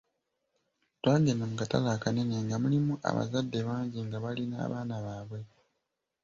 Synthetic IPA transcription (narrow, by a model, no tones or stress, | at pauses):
twaːɡenamukata̰laːkaneneŋɡamulimuʔa̰βa̰zadːe̞βaːɲɟiŋɡaβalina̰ːβaːnaβaːβwe̞